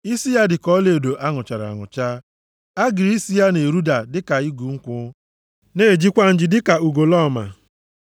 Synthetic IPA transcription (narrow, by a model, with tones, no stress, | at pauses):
i˦si˦ja˦dɪ˨kɔ˦le˨do˨ʔa˦ŋʊ˨t͡ʃa˨ɾa̰˨ŋʊ̰˨t͡ʃaː˦ | a˦ɡɪ˨ɾi˦si˦ja˦ne˨ɾu˦da˨dɪ˦ka˨i˦ɡu˨ŋ̩˦kʷʊ˦ | ne˦˨d͡ʒi˦kʷa˦n̩˦d͡ʒɪ˨dɪ˦ka˨u˨ɡo˨lɔ˦˨ma̰˨